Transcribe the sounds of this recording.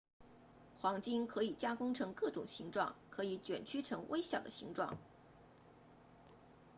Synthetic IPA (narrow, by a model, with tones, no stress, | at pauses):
xwɑ˧˥ŋt͡ɕi˥ŋkʰɤ˧˥i˨˩t͡ɕja˥kʊ˥ŋʈ͡ʂʰɤ˧˥ŋkɤ˥˩ʈ͡ʂʊ̰˨˩ŋɕi˧˥ŋʈ͡ʂwɑ̰˥˩ŋkʰɤ˧˥i˧˥t͡ɕɥɛ̰˨˩nt͡ɕʰy˥ʈ͡ʂʰɤ˧˥ŋwʔe˥ɪɕjɑ˨˩ʊd̪ə˦ɕi˧˥ŋʈ͡ʂwɑ̰˥˩ŋ